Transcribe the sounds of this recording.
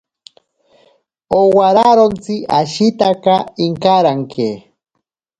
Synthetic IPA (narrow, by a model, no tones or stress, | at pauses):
owaɾaɾont͡siʔa̰ʃit̪akaiŋkaɾaŋkʰe